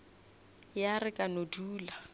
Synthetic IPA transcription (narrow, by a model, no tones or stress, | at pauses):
jarɪkʼanoduːla